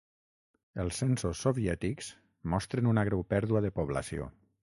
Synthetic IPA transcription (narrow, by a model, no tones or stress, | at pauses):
əlˠsːɛnsosːoβiɛt̪ikz̥ | mɔst̪ɾənunaɣ̞ɾɛwpɛɾðuaðəpoβ̞lɐ̰sio̰